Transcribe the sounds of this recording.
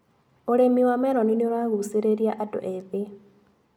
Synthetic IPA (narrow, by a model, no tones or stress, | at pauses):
oɾemiwamɛɾɔninioɾaɣuseɾeɾjaʔado̰ʔeðe